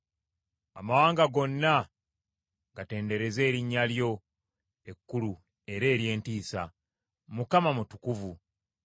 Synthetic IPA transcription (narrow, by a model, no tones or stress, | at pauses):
amawaːŋɡaɡo̞nːa | ɡate̞ːnde̞ɾe̞ze̞ːɾiɲːaljo̞ | e̞kːulu | e̞ɾe̞ːɾje̞ːntiːsa | mukamamutu̥kuvu